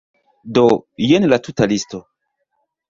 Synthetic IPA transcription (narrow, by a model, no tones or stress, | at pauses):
dojenlatutalisto